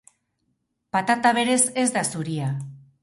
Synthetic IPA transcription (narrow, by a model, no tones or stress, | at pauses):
pat̪at̪aβ̞e̞ɾe̞se̞zd̪asuɾia